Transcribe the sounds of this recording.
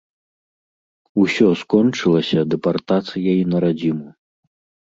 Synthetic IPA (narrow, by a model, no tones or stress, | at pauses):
usʲɔskɔnt͡ʂɨlˠɐsʲɐd̪ɛpart̪at̪sɨjɐinɐɾad͡zʲimu